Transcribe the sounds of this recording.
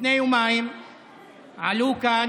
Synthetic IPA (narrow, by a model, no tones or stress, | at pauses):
nẽj̃ũmã | aluka